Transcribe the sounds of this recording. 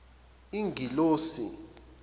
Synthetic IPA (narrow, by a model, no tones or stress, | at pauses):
iŋɡʱiloːsḭ